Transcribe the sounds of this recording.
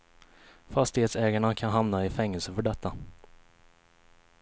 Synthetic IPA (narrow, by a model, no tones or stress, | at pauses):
fast̪ɪheːt̪sɛːɡaɳakʰanɦamnaɪfɛŋːɛlsəfœɖɛt̪ːa